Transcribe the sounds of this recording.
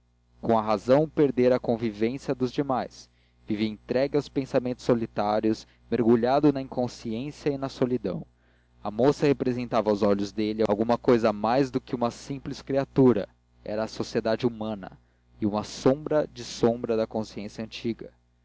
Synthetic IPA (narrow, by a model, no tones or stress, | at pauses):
kõw̃ɐɦazɐ̃w̃peɾd̪eɾɐkõvivẽsjɐd̪ʊzd͡ʒimajs | viviɐẽt̪ɾɛɡɪawspẽsamẽnt̪ʊ̥solit̪aɾjʊs | meɾɡuʎad̪ʊnɐĩŋkõsiẽsjɐinɐsolid̪ɐ̰̃w̃ | ɐmosɐhepɾezẽnt̪avwzɔʎʊzd̪elɪaawɡũmɐkojzɐmajzd̪ʊkɪũmɐsĩpliskɾiat̪uɾɐ̰ | ɛ̰ɾɐːsosied̪ad͡ʒɪumɐ̃nɐ̰ | iũmɐsõbɾɐd͡ʒɪsõbɾɐd̪ɐkõsiẽsjɐɐ̃nt͡ʃiɡɐ